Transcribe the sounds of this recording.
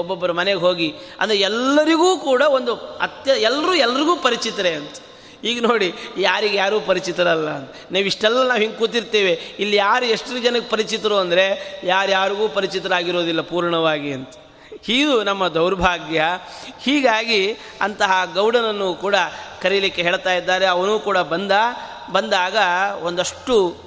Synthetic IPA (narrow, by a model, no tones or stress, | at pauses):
ɔbːɔbːɐɾɐmɐneɡeɦoːɡiɐ̰nd̪ɐɾeɛlːɐɾiɡuːkuːɽɐo̞nd̪uɐt̪jɐɛlːɐɾuːɛlːɐɾiɡuːpɐɾit͡ʃit̪ɐɾeɐnt̪ɐ̥ | hiːɡɐnoːɽijaːɾiɡejaːɾuːpɐɾit͡ʃit̪ɐɾɐlːɐːnt̪ɐnaːʋiʂʈɛlːɐnaːʋɦiŋɡ̚kuːt̪iɾt̪eːʋeilːijaːɾue̞ʂʈud͡ʒɐnɐɡepɐɾit͡ʃit̪ɐɾuːɐnd̪ɐɾe̞jaːɾjaːɾiɡuːpɐɾit͡ʃit̪ɐɾaːɡiɾo̞ːd̪ilːɐpuːɾɳɐʋaːɡiɐnt̪ɐ̥ | hiːɡd̪unɐmːɐd̪ɐwɾɐbʱaːɡjɐ | hiːɡaːɡi | ɐnt̪ɐɦɐɡɐwɽɐnɐnːukuːɽɐkɐɾijlikːeɦeːɭt̪aːjid̪ːaːɾeɐʋɐnuːkuːɽɐbɐnd̪a | bɐnd̪aːɡɐond̪ɐʂʈːu